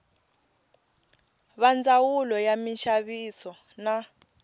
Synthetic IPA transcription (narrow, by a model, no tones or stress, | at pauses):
βand͡zawulɔjamiʃaβisɔ | na